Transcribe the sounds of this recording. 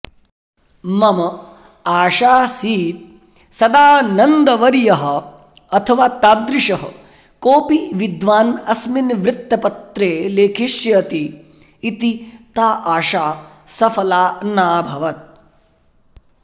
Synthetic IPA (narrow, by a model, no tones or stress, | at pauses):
mɐmɐ | aːʃaːsiːt̪̚ | sɐd̪aːnɐnd̪ɐʋɐɾjɐɦɐ̆ | ɐt̪ʰɐʋaːt̪aːd̪ɾɪʃɐɦɐ̰ | koːpiʋid̪ʋaːnɐsminʋɾɪt̪ːɐpɐt̪ɾeːleːkʰiʃjɐɐt̪iː | t̪it̪aːʔaːʃaː | sɐfɐlaːnaːbʱɐʋɐt̪̚